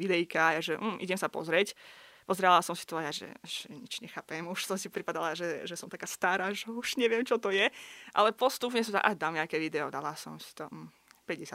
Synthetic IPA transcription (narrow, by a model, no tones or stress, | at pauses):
id̪ɛjikaajaʒɛm̩ːʔḭɟɛmsapɔ̰zɾɛcpɔzɾɛlasɔmsi̥t̪ɔajaʒɛ̰ʃɲit͡ʃɲɛxaːpɛmuʃsɔmsipɾipad̪alaʒɛʒɛsɔmt̪akaːst̪aːɾaːʒɛuʃɲɛʋɪɛmt͡ʃɔt̪ɔjɛʔa̰lɛpɔst̪up̬ɲɛsɔmsa̰ʔaʒd̪almɲɛakɛːʋid̪ɛɔd̪alasɔ̰msi̥t̪ɔm̩ | pɾɛɟɛsa